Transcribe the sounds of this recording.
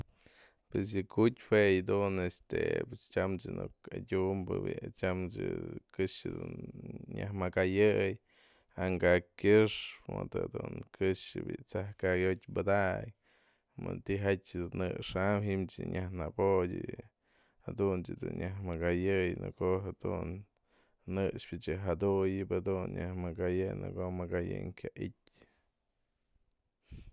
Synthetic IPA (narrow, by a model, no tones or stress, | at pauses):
pwes̬jɨkutʲfwejd̪unest̪epest͡ʃamt͡ʃɨnukadʲumbɨbit͡ʃamt͡ʃɨkɨʂɨd̪unɲahmakajɨj | haŋɡakʲɨʂmɨt̪ad̪unkɨʂɨbit͡sahkaɡotʲbɨd̪aʔj | mɨnt̪iɦatʲd̪unːɨʔʂamɦimt͡ʃɨɲahnabodʲɨ | had̪unt͡ʃɨd̪unɲjaɦmaɡajɨjnɨkoɦad̪̥unː | ɨʂpʲɨt͡ʃɨɦad̪ujɨbad̪unɲahmakajɨjnɨ̰komakajɨ̰ŋkʲaʔit̚ʲ